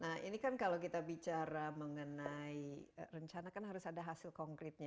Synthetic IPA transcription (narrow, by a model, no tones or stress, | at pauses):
nahḭnikankalowkit̪abit͡ʃaɾaməŋənaiərəɲt͡ʃanakanɦaɾʊsadaɦasɪlkɔŋkɾɪt̪̚ɲa